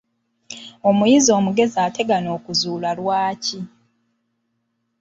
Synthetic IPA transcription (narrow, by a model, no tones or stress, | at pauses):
o̞mujizio̞ːmuɡe̞ziaːte̞ɡano̞ːkuzuːlalwaːci